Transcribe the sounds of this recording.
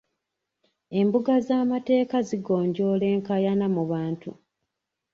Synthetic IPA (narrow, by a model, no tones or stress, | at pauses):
e̞mbuɡazaːmate̞ːkaziɡo̞ːɲɟo̞le̞ːŋkajanamuβaːntu